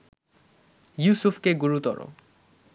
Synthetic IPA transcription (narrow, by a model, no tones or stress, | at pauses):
jusufʰkeɡuɹut̪ɔ̰ɹo̰